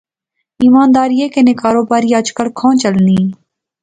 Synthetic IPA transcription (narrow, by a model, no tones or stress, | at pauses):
iːmaːnd̪aːɾiːeːkenẽːkaːɾoːbaːɾiːəd͡ʒkəlkʰãːt͡ʃəlniː